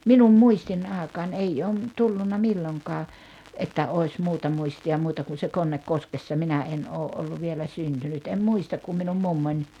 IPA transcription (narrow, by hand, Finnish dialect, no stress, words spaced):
minum muistin ɑːĕkɑːn eijː oː m tulːunːɑ milːoŋkɑː etːæ oi̞s muːtɑ muistiɑ muːtɑ kun̞ se konːekːoskesːɑ minæ en oːʔ ʔolːu ʋielæ syntynyt em muistɑk kum minum mumːonʲ